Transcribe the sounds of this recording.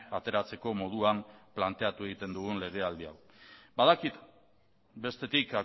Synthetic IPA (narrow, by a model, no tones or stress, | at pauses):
at̪e̞ɾat͡se̞ko̞mo̞ð̞uamplant̪e̞at̪ue̞ɣ̞it̪e̞nd̪uɣunle̞ɣ̞e̞ald̪ia̰w | baðakit̪ | be̞st̪e̞t̪ika